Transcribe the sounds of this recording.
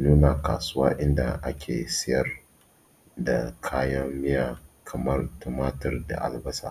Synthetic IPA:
nuː˦naː˨ka̰ː˨sʊ˦waː˦ʔɪ˦nda̰˨ʔa˦kʲʰḛː˨sɪ˦jɐ˨r | da˨kʰaː˦jɐ˦mːɪ˦jaː˨kʰɐ˨mɐ˦rtʊ˨maː˦tɪ˨rda̰˨ʔa̰˨lbɐ˦sa̰ː˨

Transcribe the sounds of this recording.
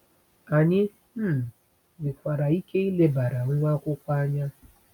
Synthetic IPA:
a˨ɲɪ˦ | m̩˦˨ | dɪ˨kʷa˨ɾa˨i˦ke˦i˦le˦ba˨ɾa˨ŋ˦ŋʷa˦kʷʊ˦kʷa˦a˦ɲa˦

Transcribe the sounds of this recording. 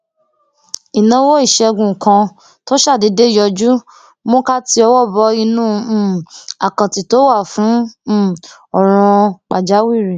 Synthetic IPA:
i˨nã˨˦wo˦i˦˨ʃɛ˧ɡũ˨kã˧ | to˦ʃa˦˨de˨˧˦de˦˨jɔ˧d͡ʒu˦ | mo˦ka˦ti˧ɔ˧wɔ˦˨bɔ˨˧˦i˧nũː˦˨a̰˨kã˨ti˨to˦wa˦˨fũ˨˦˨ | ɔ˦˨ɾ̃ɔ̃˧k͡pa˨d͡ʒa˨˦wi˦˨ɾi˨

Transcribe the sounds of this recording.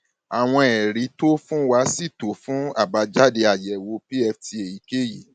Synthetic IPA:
a˨w̃ɔ̃˧ɛ˨ɾi˨˦to˦fũ˦wa˧si˦˨to˨˦fũ˦a̰˦˨ba˨˧d͡ʒa˦de˧a˨jɛ˨˦wo˨˧˦pi˦ɛ˧ftʰi˧e˨ji˨˦ke˦ji˦˨

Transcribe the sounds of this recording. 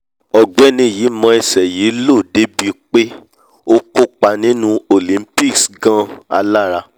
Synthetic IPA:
ɔ˨ɡ͡bɛ˨˦nĩ˧˦˨ji˨˦mɔ̃˧ɛ˨sɛ˨ji˨˦lo˦˨de˨˦bi˧k͡pe˦ | o˦ko˦k͡pa˧nĩ˦nũ˦o˨lĩ˨˦m̩˦pi˦˨ksɡã˧a̰˧la˦˨ɾa˧

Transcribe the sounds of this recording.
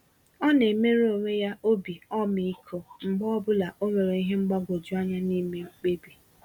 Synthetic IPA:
ɔ˦ne˨me˦ɾe˦o˨ŋʷe˦ja˦ʔo˦bi˨ɔ˦mi˨i˦kʰo˨ŋ͡m̩˨ɡ͡bɔ˦bʊ˦la˨ʔo˦me˨ɾe˨i˦ɦe˦ŋ͡m̩˦ɡ͡ba˦ɡo˨d͡ʒu˦a˦ɲa˦ni˦me˦k͡pe˦bi˨

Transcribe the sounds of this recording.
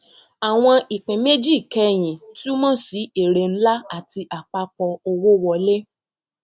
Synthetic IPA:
a˨w̃ɔ̃˧ʔi˨k͡pĩ˨me˦d͡ʒi˦˨kɛ˧˦j̃ĩ˨ti˦o˦mɔ̃˦˨si˨˦e˨ɾe˧n̩˦la˦a˦˨ti˧ʔa˨k͡pa˧k͡pɔ˧o˧wo˦wɔ˧le˦

